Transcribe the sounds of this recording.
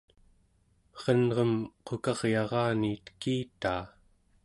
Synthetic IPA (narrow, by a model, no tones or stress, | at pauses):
ʁʌnʁʌmqokɑʁjɑʁɑːniːt̪ə̥kiːt̪aː